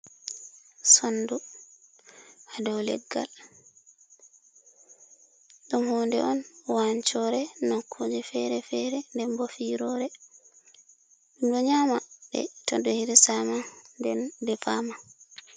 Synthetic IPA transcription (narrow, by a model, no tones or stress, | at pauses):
sɔndu | hadawlɛ̰ɡːa̰l | ɗumhɔːndɛ̰ɔnwaɲt͡ʃɔɾɛnakʰːod͡ʒɛfɛɾɛfɛɾɛndɛmbɔfiɾɔɾɛ | umdɔɲamaɓɛ̰tɔdɔhiɾisamadɛndɛfama